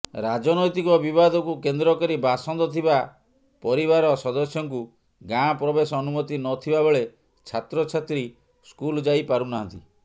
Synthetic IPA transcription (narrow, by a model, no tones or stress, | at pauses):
ɾad͡ʒɔnɔjt̪ikɔbibad̪ʱɔkukend̪ɾɔkɔɾibasɔnd̪ɔt̪ʰiba | pɔɾiβaɾɔsɔd̪ɔsjɔŋku | ɡãpɾɔbesɔːnumɔt̪inɔt̪ʰibabeɭe | t͡ʃʰat̪ɾɔt͡ʃʰat̪ɾi | skuld͡ʒajpaɾunaɦɔ̃nt̪i